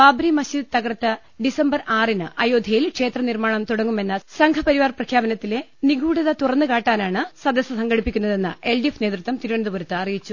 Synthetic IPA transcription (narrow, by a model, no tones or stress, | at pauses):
baːbɾimɐɕiːd̪t̪ɐɣɐrɐt̪ːɨ | ɖisɐmbɐraːrinɨʔɐjoːd̪ʱɐjilkʂe̞ːt̪rɐnirmaːɳɐmt̪uɽɐŋːume̞nːɐsɐŋɡʰɐpɐɾiʋaːrprɐkʰjaːbɐnɐt̪ːile̞niɡuːɽɐðɐt̪urɐnːɨkaːʈːaːnaːɳɨsɐd̪ɐsɐsɐŋɡɐɽipːikʲːunːɐðe̞nːɨʔelɖifne̞ːt̪rɨt̪ːwɐmt̪iɾuʋɐnd̪ubuɾɐt̪ːɨɐrijit͡ɕːu